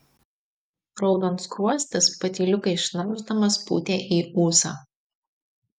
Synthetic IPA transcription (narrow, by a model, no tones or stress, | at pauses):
ɾɔʊd̪ont̪skɾuɔsʲt̪ʲɪspɐt̪ʲiːlʲʊkɐɪɪʃnɐʊʒd̪ɐmɐspṵːt̪ʲeːʔiːuːsaː